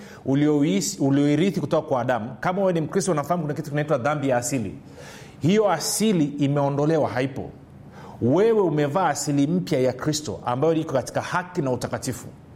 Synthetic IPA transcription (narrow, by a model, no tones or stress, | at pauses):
ululiɔiɾiθikutɔkakwaːɗamukamawɛnim̩kɾistɔunafaham̩kunakitukinaitwaðambijaːsilḭ | hijɔasiliːmɛɔndɔlɛwahaipɔ̰ | wɛwɛumɛvaːsilim̩pjajakɾistɔ̰ʔa̰mbajɔikɔkati̥kahakinautakatifṵ